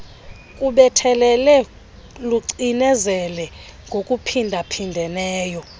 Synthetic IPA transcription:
kʼuɓɛtʰɛlɛlɛ | luǀinɛzɛlɛ | ŋɡʱokʼupʰindʱapʰindʱɛnɛːjɔ

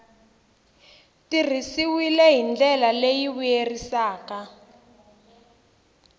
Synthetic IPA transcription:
tir̤isiwilɛɦind͡ɮɛlalejiβujerisaːka

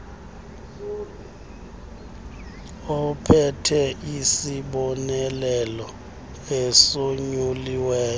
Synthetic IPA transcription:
ɔpʰɛtʰɛʔisiɓɔnɛlɛlɔ | esoɲuliwɛːjɔ

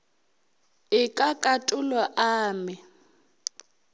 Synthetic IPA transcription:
ɪkʼakʼatʼʊlaʔaːmɪ

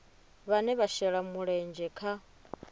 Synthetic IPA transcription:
βanɛβaʃɛɺamuɺɛnd͡ʒɛkʰa

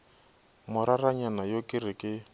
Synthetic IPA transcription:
mʊɾaraɲanajokʼɪrɪkʼɪ

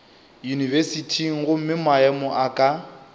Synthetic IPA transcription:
junivɛsitʰiŋ̩ɣʊm̩mɪmaɛmɔʔakʼa

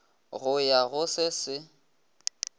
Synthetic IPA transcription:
ɣʊjaɣʊsɪsɪ

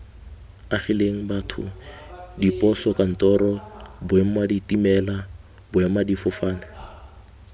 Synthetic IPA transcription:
aχileŋ̩batʰʊ̰ | dipʼɔsɔkʼan̩tʼɔɾɔbʊɛm̩maditʼimɛla | bʊɛmadifɔfaːnɪ

